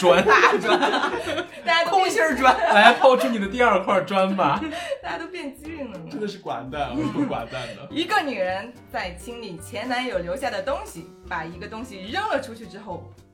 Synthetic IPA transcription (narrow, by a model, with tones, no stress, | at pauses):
ʈ͡ʂwa˥nwa˥nt̪a˥˧t͡ɕja˥tʰʊ˥ŋ˥ɕjə˥ʈ͡ʂwa˥nla˧˥ɪ˥t̪ʰo˥˩ʊʈ͡ʂʰu˥ni˨˩d̪ə˦t̪̬i˥˧ɐ˞˥˧kʰwa˥˧ʈ͡ʂwa˥nma˨t̪a˥˩t͡ɕja˥t̪o˥ʊpjɛ˥˩nt͡ɕi˥li˥˩ŋlə˩ʈ͡ʂə˥nd̪ə˨ʂɻ̩˥˩kwa̰˨˧˩nt̪a˥˩n˥˧˩u˥˩kwa̰˨˩nt̪a˥˩nd̪ə˩i˧˥ɡə˧ny˨˩ɻə˧˦˥nt͡sa˥˩ɪt͡ɕʰi˥ŋli˨˩t͡ɕʰjɛ˧˥nna˧˥njo˨˩ʊljo˧˥ʊɕja˥˩d̪ə˩t̪ʊ˥ŋɕi˨˩ | pa˨˩i˧˥ɡə˧t̪ʊ˥ŋɕi˨˩ɻə˥˩ŋlə˨ʈ͡ʂʰu˥t͡ɕʰy˥˩ʈ͡ʂɻ̩˥xo˥˩ʊ